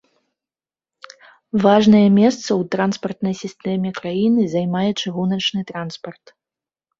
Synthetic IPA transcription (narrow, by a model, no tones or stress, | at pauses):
vaʐnɐjɛmʲɛst̪sɐwt̪ɾanspɐrt̪nɐjsʲist̪ɛmʲɛkɾajinɨzajmajɛt͡ʂɨɣunɐt͡ʂnɨt̪ɾanspɐrt̪